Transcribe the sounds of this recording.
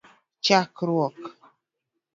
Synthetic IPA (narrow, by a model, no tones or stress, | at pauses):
t͡ʃakɾwɔk